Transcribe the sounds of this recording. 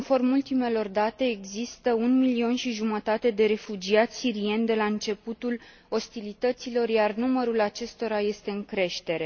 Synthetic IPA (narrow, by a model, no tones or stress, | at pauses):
nfo̞rmult̪ime̞lo̞rd̪at̪e̞ːɡzist̪əunmilio̞nʃiʒumət̪at̪e̞d̪e̞ɾe̞fud͡ʒiat̪sʲsiɾie̞nʲd̪e̞laɨnt͡ʃe̞put̪ul | o̞st̪ilit̪ət̪silo̞rjarnuməɾulat͡ʃe̞st̪o̞ɾaje̞st̪e̞ɨŋkɾe̞ʃt̪e̞ɾe̞